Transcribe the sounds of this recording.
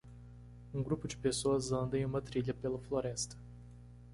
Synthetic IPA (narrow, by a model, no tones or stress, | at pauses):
ũɡɾupʊd͡ʒɪpesoɐzɐ̃nd̪ɐ̃j̃ũmɐt̪ɾiʎɐpelɐfloɾɛst̪ɐ̥